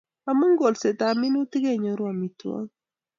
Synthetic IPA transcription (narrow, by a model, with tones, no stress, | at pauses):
a˨mə˦ŋɡo˨lse˨ta˨mi˦ni˦ti˦ɡe˦˨ɲɔ˨˦ɾwa˨mi˨twɔ̰˦ŋ